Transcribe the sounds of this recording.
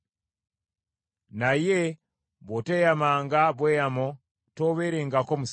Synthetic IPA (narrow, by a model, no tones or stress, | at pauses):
naje | botejamaŋɡabwejamo | toβeɾeŋɡakomus